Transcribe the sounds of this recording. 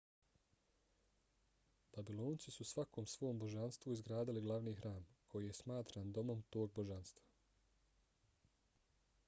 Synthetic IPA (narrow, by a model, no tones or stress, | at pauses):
b̥abilo̞ːnt̪sisusʋako̞ːmsʋo̞ːmbo̞ʒanst̪ʋuizɡɾaːd̪iliɡlˠaʋniːxɾaːmkʰo̞jije̞smaːt̪ɾaːnd̪o̞mo̞mt̪o̞ːɡ̚bo̞ʒanst̪vḁ